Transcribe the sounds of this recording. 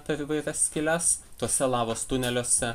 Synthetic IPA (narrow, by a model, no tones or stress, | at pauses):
pʲɛɾiːʋɐɪɾʲɛsʲkʲɪlʲɛst̪oɔsʲɛlˠɑːʋoːst̪ʊnʲɛlʲoːsʲɛ